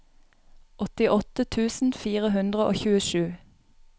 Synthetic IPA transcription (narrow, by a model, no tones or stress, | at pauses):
ʔɔt̪ɪʔɔt̪ət̪ʰʉːsn̩fiːʁəɦʉnd̪ʁəʔo̰ːçʉːəʃʉː